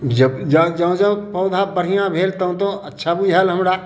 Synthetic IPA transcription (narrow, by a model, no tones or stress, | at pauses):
d͡ʒəbd͡ʒəd͡ʒəũd͡ʒəũpəʊd̪ʱabəɽ̤ijãbʱelt̪əũt̪õətːʃʰabujɦelɦəmɾa